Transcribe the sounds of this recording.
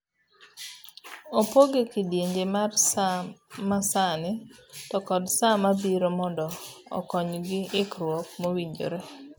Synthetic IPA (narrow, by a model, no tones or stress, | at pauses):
opoɡekɪdjeɲd͡ʒemarsamasanɪtɔkɔdsamabiɾomɔndɔɔ̰kɔɲɡɪɪkɾwɔk̚mowiɲd͡ʒo̰ɾe